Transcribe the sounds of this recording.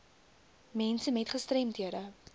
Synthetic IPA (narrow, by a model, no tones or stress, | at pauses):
mɛnsəmɛtχəstrɛmtɦiədə